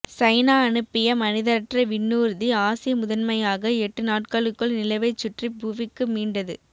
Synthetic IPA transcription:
sɐɪnaːɐnɯpːɪjɐmɐnɪðɐɾʈrɐʋɪnːuːɾðiaːsɪmʊðɐnmɐjaːɣɐɛʈːɯnaːʈkaɭɯkːɯɭnɪlɐɪʋɐɪt͡ʃːʊʈribuːʋɪkːɯmiːɳɖɐðɯ

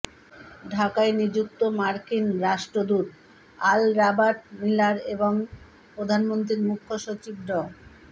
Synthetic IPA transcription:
ɖʱakaenid͡ʑuk̚t̪omaɾkinɾaʃʈɾod̪uɾ | alɾabaʈ̚milaɾeboŋ | pɾod̪ʱanmont̪ɾiɾmukʰːoʃot͡ɕib̚ɖɔ

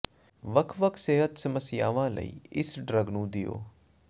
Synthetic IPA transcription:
ʋəkʰʋəkʰseːɦət̪sɐməsɪjaːʋãːlə̰ḭːɪsɖɾəɡnũːd̪ɪjo̰ː

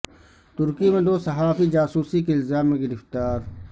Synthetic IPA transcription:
t̪ʊɾkimẽd̪oːsɐɦaːfid͡ʒaːsuːsikeɪlzaːmːẽɡɪɾɪft̪aːɾ

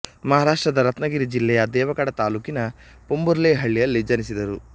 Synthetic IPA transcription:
mɐɦaːɾaːʂʈɾɐd̪ɐɾɐt̪nɐɡiɾid͡ʒilːɛjɐd̪ɛːʋɐkɐɽɐt̪aːluːkinɐ | pombuɾleːɦɐɭːijɐlːid͡ʒɐnisid̪ɐɾu

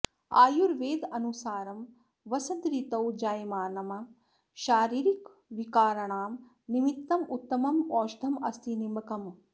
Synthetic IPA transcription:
a̰ːjuɾʋeːd̪ɐnusaːɾɐm | ʋɐsɐd̪ɾit̪ɐwd͡ʒaːjmaːnɐmɐ | ʃaːɾiːɾik | ʋikaːɾɐɳaːm | nimit̪ːɐmut̪ːɐmɐmɔːʃd̪ʱɐmɐ̰st̪inimbɐkɐm

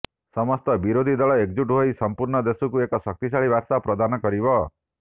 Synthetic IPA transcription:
sɔmɔst̪ɔbiɾod̪ʱid̪ɔɭɔek̚d͡ʒuʈuɦojsɔmpuɾɳɔd̪esukuekɔsɔk̚t̪isaɭibaɾsapɾɔd̪anɔkɔɾibɔ

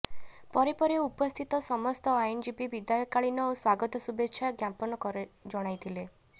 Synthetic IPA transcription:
pɔɾepɔɾɔupɔst̪ʰit̪ɔsɔmɔst̪ɔajnd͡ʒibibid̪ajɔkaɭinɔoswaɡɔt̪ɔsubetːʃʰjaɡjapɔnɔkɔɾed͡ʒɔɽ̃ajt̪ʰile

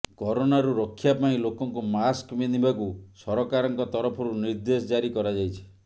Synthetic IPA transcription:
kɔɾonaɾuɾɔkʰːjapaĩlokɔŋkumaskbinibakusɔɾɔkaɾɔŋkɔt̪ɔɾɔpʰɔɾuniɾd̪esɔd͡ʒaɾikɔɾad͡ʒajt͡ʃʰi̥

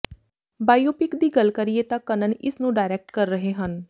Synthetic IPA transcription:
baːjoːpɪkd̪iːɡəlkəɾieːt̪akːənənɪsnũːɖaːɪɾɛk̚ʈkəɾːəɦeːɦən

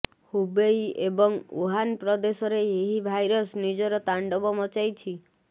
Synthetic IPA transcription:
hubejebɔŋṵɦanpɾɔd̪esɔɾeeɦibʱajɾɔsnid͡ʒɔɾɔt̪aɳɖɔbɔmɔt͡ʃajt͡ʃʰi

